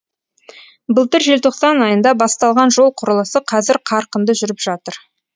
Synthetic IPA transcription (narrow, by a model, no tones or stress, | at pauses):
bəlˠt̪əɾʒe̞lt̪ʰo̞qsɑnɑjənd̪ɑbɑst̪ɑlˠʁɑnʒo̞lˠqʰʊɾəlˠəsəqʰɑzɪɾqʰɑɾqənd̪əʒʏɾɪpʒ̥ɑt̪əɾ